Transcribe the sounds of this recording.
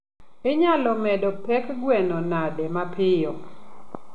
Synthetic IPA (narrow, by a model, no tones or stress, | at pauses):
ɪɲalɔmɛdɔpɛkɡwɛnɔnadɛmapʰɪjɔ